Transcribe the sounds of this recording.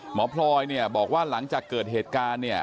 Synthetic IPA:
mɔː˩˦˥pʰlɔː˧jni˥˩ɐbɔː˨˩k̚waː˥˩la˩˦ŋt͡ɕaː˨˩kːɤː˨˩t̪̚ɦeː˨˩t̪̚kaː˧nːi˥˩ɐ

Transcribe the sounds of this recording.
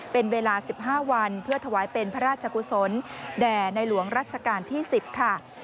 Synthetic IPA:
pe˧nweː˧laː˧si˨˩p̚ɦaː˥˩wa˧npʰɯ˥˩ɐt̪ʰa˧waː˩˦jpe˧npʰa˦˥ɾaː˥˩t͡ɕʰa˧ku˧so˩˦ndɛː˨˩na˧jlu˩˦əŋɾaː˥˩t̪̚t͡ɕʰa˧kaː˧nt̪ʰiː˥˩si˨˩p̚kʰa˥˩

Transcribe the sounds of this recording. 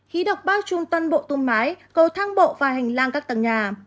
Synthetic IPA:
xi˨˦ɗə˨˩wk͡p̚ɓaː˧wt͡ɕʊ˧ŋ͡mt̪waː˧nɓo̰˧˨t̪u˧nmaː˨˦jkə˨˧˩wt̪ʰaː˧ŋɓo̰˧˨vaː˨˩hɛ˨˩ŋ̟laː˧ŋkaː˦˥k̚t̪ə˨˩ŋɲaː˨˩

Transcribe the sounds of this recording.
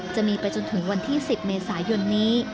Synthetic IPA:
t͡ɕa˨˩ʔmiː˧pa˧jt͡ɕo˧nt̪ʰɯ˩˦ŋwa˧nt̪ʰiː˥˩si˨˩p̚meː˧saː˩˦jo˧nːiː˦˥

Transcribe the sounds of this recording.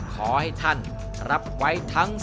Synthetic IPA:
kʰɔː˩˦ha˥˩jt̪ʰa˥˩n | ɾa˦˥p̚wa˦˥jt̪ʰa˦˥ŋ

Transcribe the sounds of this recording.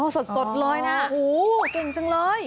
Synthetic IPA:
ʔɔ˧˩so˨˩t̪̚so˨˩t̪̚lɔː˨˥jna˦˥˧huː˨˩t̪e˧ŋt͡ɕɯ˧ŋlɤː˧j

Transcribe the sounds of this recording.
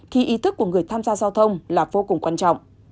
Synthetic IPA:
t̪ʰi˨˩ʔi˨˦t̪ʰɨ˦˥k̚ːu˧˩əŋɨ˨˩əjt̪ʰaː˧mzaː˧zaː˧wt̪ʰə˧wŋ͡mlaː˨˩vo˧kʊ˨˩ŋ͡mkwaː˧nt͡ɕɔ̰˧˨ŋ͡mʔ

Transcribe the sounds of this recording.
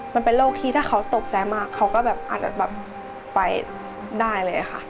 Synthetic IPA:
ma˧npe˧nloː˥˩k̚t̪ʰiː˥˩aː˥˩kʰa˦˥wt̪o˨˩p̚t͡ɕa˧jmaː˥˩kʰːa˦˥wkɔː˥˩bɛː˨˩p̚ʔa̰ː˨˩t̪̚bɛː˨˩p̚ː | a˧j | daː˥˩jlɤː˧jʔa˨˩kʰa˥˩

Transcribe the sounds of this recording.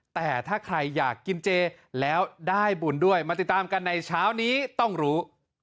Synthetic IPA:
t̪ɛː˨˩t̪ʰaː˥˩kʰɾa˧jːaː˨˩kːi˧nt͡ɕeː˧ | lɛː˦˥wdaː˥˩jbu˨˩˦ndu˥˩əjmaː˧t̪i˨˩t̪̚ːaː˧mka˧nːa˧jt͡ɕʰaː˦˥wniː˦˥t̪ɔ˥˩ŋɾuː˦˥

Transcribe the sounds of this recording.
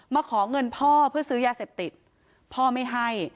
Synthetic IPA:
maː˧kʰɔː˩˦ŋɤ˧npʰɔː˥˩pʰɯ˥˩ɐsɯː˦˥jaː˧seː˨˩p̚t̪i˨˩t̪̚ | pʰɔː˥˩ma˥˩jɦa˥˩j

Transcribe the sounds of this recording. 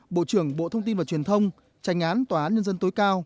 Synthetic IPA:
ɓo̰˧˨t͡ɕɨ˧˩əŋɓo̰˧˨t̪ʰə˧wŋ͡mt̪i˧nvaː˨˩t͡ɕwi˨˩ənt̪ʰə˧wŋ͡m | t͡ɕa˨˦jŋ̟ʔaː˨˦nt̪waː˨˩aː˨˦nɲə˧nzə˧nt̪o˨˦jkaː˧w

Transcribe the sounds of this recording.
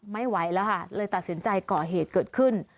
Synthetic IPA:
ma˥˩jwa˨˦˥jlɛ˦˥wkʰa˥˩lɤː˧jt̪a˨˩t̪̚si˩˦nt͡ɕa˧jkɔː˨˩ɦeː˨˩t̪̚kɤː˨˩t̪̚kʰɯ˥˩n

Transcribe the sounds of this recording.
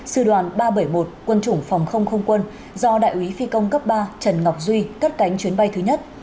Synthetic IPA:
sɨ˧˩ɗwaː˨˩nɓaː˧ɓə˧˩jmo˨˩t̚kwə˧nt͡ɕʊ˧˩ŋ͡mfɔ˨˩wŋ͡mxə˧wŋ͡mxə˧wŋ͡mkwə˧n | zɔ˧ɗa̰ː˧˨jʔwi˨˦fi˧kə˧wŋ͡mkə˦˥p̚ɓaː˧t͡ɕə˨˩nŋa˨˩wk͡p̚zwi˧ka˦˥t̚ka˨˦jŋ̟t͡ɕwi˨˦ənɓa˧jt̪ʰɨ˨˦ɲə˦˥t̚

